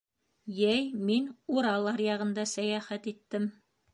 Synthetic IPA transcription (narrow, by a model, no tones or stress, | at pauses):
jæjminuɾɑlˠɑɾjɑʁɤ̆nd̪ɑsæjæχæt̪it̪ːɘm